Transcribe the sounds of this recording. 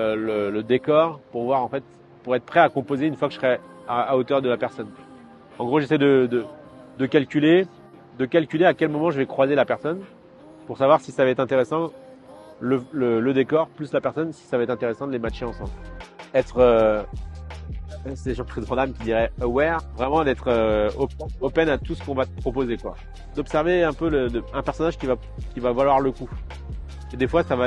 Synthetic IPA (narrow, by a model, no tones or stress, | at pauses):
ølələd̪ekɔʁpuʁvwaʁɑ̃fɛt̪ | puʁɛt̪χəpχɛakɔ̃pozeynfwakə̥ə̥sχɛ | aaot̪œʁd̪əlapɛʁsɔn | ɑ̃ɡʁoʒesɛjd̪əd̪əd̪əkalkʲyle | d̪əkalkʲyleakʲɛlmɔmɑ̃ʒəvɛkχwazelapɛʁsɔn | puʁsavwaʁsisavɛt̪ɛ̃t̪eʁesɑ̃ | lələləd̪ekɔʁplyslapɛʁsɔnsi̥savɛt̪ɛ̃t̪eʁesɑ̃d̪əlemaʃeɑ̃sɑ̃blɛt̪χø | sɛd̪eʒɑ̃t̪χɛd̪ʁɑ̃d̪amkʲid̪iʁɛwɛʁvʁɛmɑ̃d̪ɛt̪χøɔpɛɔpɛnat̪usə̥kɔ̃vat̪ə̥pχɔpozekwa̰ | d̪ɔpsɛʁveɛ̃pølələɛ̃pɛʁsɔnaʒkʲiva | kʲivavalwaʁləku | ed̪efwasava